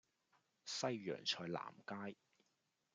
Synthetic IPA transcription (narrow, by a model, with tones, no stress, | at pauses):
sɐ˥jːœ̰ː˨˩ŋt͡ʃʰɔː˧jla̰ː˨˩mkaː˥j